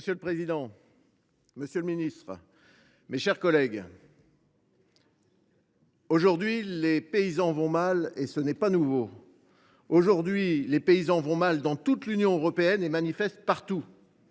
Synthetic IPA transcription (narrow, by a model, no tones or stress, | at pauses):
məsjøləpχezid̪ɑ̃ | məsjølminist̪χ | meʃɛʁkɔlɛɡ | oʒuʁd̪ɥilepeizɑ̃vɔ̃malesənɛpanuvo | oʒuʁd̪ɥilepeizɑ̃vɔ̃mald̪ɑ̃t̪ut̪lynjɔ̃øʁɔpeɛnemanifɛst̪̚paʁt̪u